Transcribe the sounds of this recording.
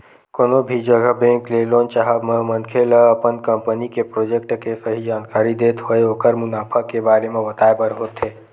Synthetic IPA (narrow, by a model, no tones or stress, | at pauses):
koːnobʱid͡ʒəɡəbẽːŋkleːloːnt͡ʃaɦəbməmənkʰeləəpənkəmpənikepɾoːd͡ʒek̚ʈkesəɦid͡ʒaːnkaːɾid̪eːt̪ɦoeɦoːkəɾmʊnaːpʰəkːebaːɾemẽbət̪aːebəɾɦoːt̪ɦeː